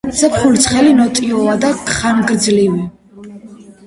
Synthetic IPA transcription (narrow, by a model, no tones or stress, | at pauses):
sɛpχult̪sʰχɛlinɔt̪ʼiɔad̪akχanɡɾd̪zlivi